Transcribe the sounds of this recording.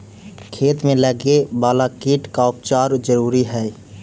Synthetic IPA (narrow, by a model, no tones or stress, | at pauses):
kʰeːt̪mẽləɡebaːlakiʈkaʊp̚t͡ʃaɾd͡ʒəɾuːɾiɦɛ